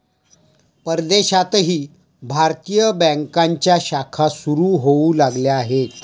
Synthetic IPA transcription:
pəɾd̪eɕat̪ɦiː | bʱaɾt̪ijəbɛ̃ŋkaɲt͡ɕjaɕakʰasuɾuːɦoulaɡljaaɦet̪

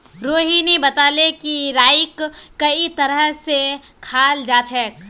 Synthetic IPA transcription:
ɾoːɦinebɐt̪aːlekiɾaːɪkːɐit̪ɐɾəɦse | kʰaːld͡ʒaːt͡ʃʰɛːk

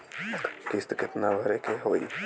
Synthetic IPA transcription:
kɪst̪kɪt̪naːbʱəɾekeɦoːḭː

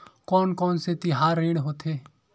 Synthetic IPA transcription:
kɔːnkɔːnset̪ɪɦaːɾːeːɽɦoːt̪eː

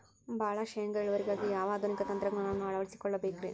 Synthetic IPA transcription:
bʱaːɭɐʃɐjɐŋɡɐiɭuʋɐɾiɡaːɡijaːʋaːd̪ʱunikɐt̪ɐnt̪ɾɐɡɳaːnɐʋnːuɐɭɐʋɐɭisi̥kɔɭːɐbeːkɾeː

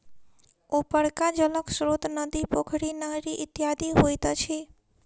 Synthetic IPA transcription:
opəɽkad͡ʒələksɾot̪nəd̪ipokʰɽinəɦɾiʔɪt̪jad̪iɦojt̪ət͡ʃʰe

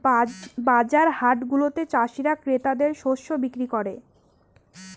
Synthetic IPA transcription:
bad͡ʑaɾhaʈɡulot̪et͡ɕaʃiɾakɾet̪ad̪eɾʃoʃobikɾikoɾe

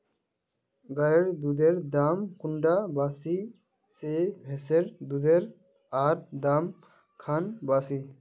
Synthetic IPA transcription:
ɡajeɾd̪ud̪eɾd̪amkʊɳɖabaːsi | sebʱeseɾd̪ud̪eɾ | aːɾd̪am | kʰanbaːsi

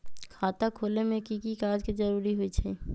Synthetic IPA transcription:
kʰaːt̪akʰoːlemẽkikikaːd͡ʒked͡ʒɐɾuːɾiɦuit͡ʃʰɛ

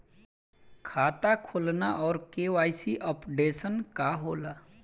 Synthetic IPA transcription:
kʰaːt̪akʰoːlnaʔɔːɾkeːʋaːjsiʔəpɖeːsənkaɦoːla

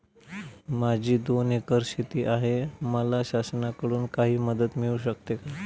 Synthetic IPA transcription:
mad͡ʑʱiːd̪onekəɾɕit̪iːʔaɦeməlaɕasnakəɽuːnkaɦiːməd̪ət̪miɭuːɕək̚t̪eka

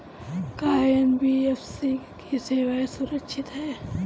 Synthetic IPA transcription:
kaːjənbiːefsikiseːʋaːesʊɾəkʃʰɪt̪ɦɛː

